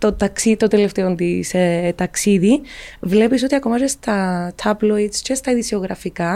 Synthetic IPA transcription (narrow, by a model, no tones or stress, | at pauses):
t̪ot̪ɐksit̪ot̪eleft̪eont̪iset̪ɐksiðivle̞piso̞t̪iɐkomɐzest̪ɐt̪ʰɐbloit̪scest̪ɐiðisioɣɾɐfikɐ